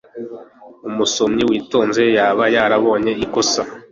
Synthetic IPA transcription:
umuso̞mɲiwiːto̞ːnze̞jaːβajaɾaβo̞ːɲe̞ikosa

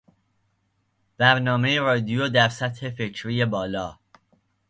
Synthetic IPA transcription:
væɾnɒːme̞jeɾɒːd̪ijoːd̪æɾsæt̪he̞fe̞cʰɾiːje̞bɒːlɒː

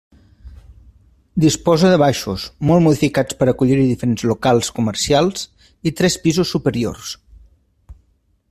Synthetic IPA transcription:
d̪ispɔzəðəβ̞aʃusmɔlˠmuðifikat͡spəɾəkuʎiɾiðifəɾenzlukalˠskuməɾsialˠz | it̪ɾɛspizusːupəɾio̰rs

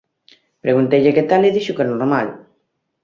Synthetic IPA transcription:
pɾeɣunt̪ejʎeket̪aleðiʃukenoɾmal

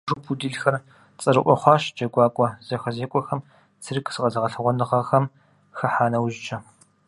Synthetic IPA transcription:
ʐuːpʰudiːɮxɐr | t͡sʼɐɾɨʔʷɔχʷɑːʃd͡ʒɐɡʷɑːkʷʼɔzɐxɐzeːkʷʼɔxɐm | t͡sʰɨrɨkʰɨ̥sɨqʼɐzɐʁɐɬɨʁʷɔnɨʁɐxɐm | xɐħaːnɐwʒɪt͡ʃʼʰɐ

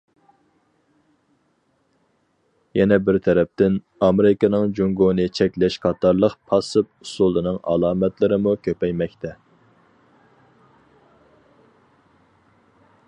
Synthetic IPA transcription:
jɛnɛbɪɾt̪ʰɛɾɛp̚t̪ɪn | ɑmeɾɪkɑnɨŋd͡ʒuŋɡonɨt͡ʃʰɛkʲlɛʃqʰɑt̪ɑɾlˠəqpʰɑsɨp̚usulˠɨnɨŋʔɑ̰lˠɑːmɛt̪lɪɾɪmukʲʰøpɛjmɛkʲt̪ʰɛ

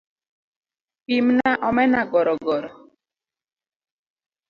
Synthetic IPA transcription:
pimnaʔɔmɛnaɡɔɾɔɡɔɾɔ

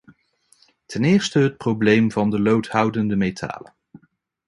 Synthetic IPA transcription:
tʰɛnɪːɹstəɦət̚prowblejmvɑndəlowthʌwdəndəmejtʰa̰ːlə̰

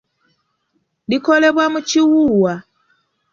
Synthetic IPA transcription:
dikoleβwamut͡ʃiwuwa

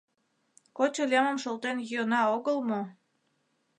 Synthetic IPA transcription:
kot͡ɕolʲeməmʃolt̪enjyənɑoɣəlmo

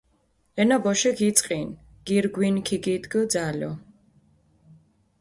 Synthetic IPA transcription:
ɛnabɔʃɛɡʰit̪sʼqʼin | ɡ̥iɾɡwinkʰiɡid̪ɡəd̪zalɔ

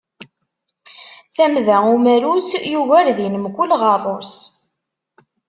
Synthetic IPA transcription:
θæmðæumæɾusjuʝæɾðinəmkʷːʊlʁɑðˤoɾs

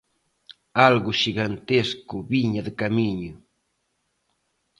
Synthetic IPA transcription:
alɣʊʃiɣant̪eskʊβiɲɐðɪkamiɲʊ

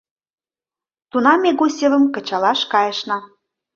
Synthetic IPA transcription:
t̪unɑmeɣosʲevə̆mkə̆t͡ɕɑlɑʃkɑjə̆ʃnɑ

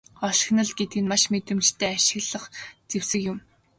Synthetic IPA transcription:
ɔʃ̆xnə̆ɮɡet̪̚ɡɘ̆nmaʃmet̪ɘ̆mt͡ɕt̪ʰæːaʃɪ̆ɣɮə̆χt͡sewsɘ̆kjʊm

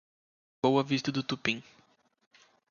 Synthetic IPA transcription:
bowɐvist̪ɐd̪ʊt̪upĩŋ

